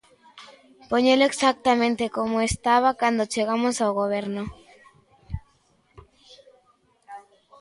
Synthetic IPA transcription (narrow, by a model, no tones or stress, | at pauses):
poɲeloeksak̚t̪amẽnt̪ekomoest̪aβ̞akwand̪ot͡ʃeɣ̞amosawɣoβ̞e̞ɾno